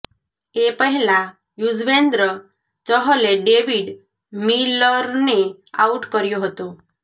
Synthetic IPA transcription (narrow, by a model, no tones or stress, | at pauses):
epəɦila | jud͡zʋend̪ɾə | t͡səɦəleɖeʋiɽ | milːəɾne | auʈkəɾjoɦot̪o